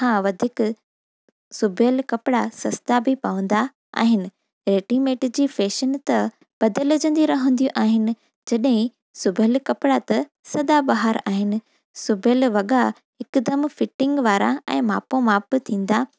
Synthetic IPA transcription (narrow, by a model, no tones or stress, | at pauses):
hãːʋɐd̪ʱiːk | sʊbʱəlkɐpɪɽasɐst̪abʱɪpɐʋə̃nd̪a | a̰ːɦɪnɪ̆ | ɾeːʈimeːʈd͡ʑiːfeːʃənt̪ɐ | b̥ɐd̪əld͡ʑə̃nd̪iɾɐɦə̃nd̪ijũʔaːɦɪnɪ̆ | d͡ʑɐɗɦɪ̃ | sʊbʱəlkɐpɪɽat̪ɐ | sɐd̪abaɦaɾaːɦɪnɪ̆ | sʊbʱəlʋɐɠa | ɪkʊd̪ɐmfɪʈɪ̃ŋɡʋaːɾãɛ̰̃ːmaːpõmaːpt̪ʰĩːn̆d̪a